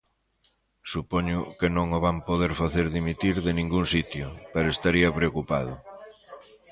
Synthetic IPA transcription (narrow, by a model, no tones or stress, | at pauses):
supɔɲʊkenõŋoβampoðeɾfaθeɾðimit̪iɾðenĩŋɡuŋsit̪jʊpeɾʊest̪aɾiɐpɾeokupað̞ʊ